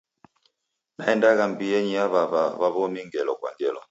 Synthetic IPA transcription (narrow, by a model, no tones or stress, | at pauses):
naɛndaɣam̩biɛɲiaβaβaβaβɔmiŋɡɛlɔkwa̰ŋɡɛlɔ̰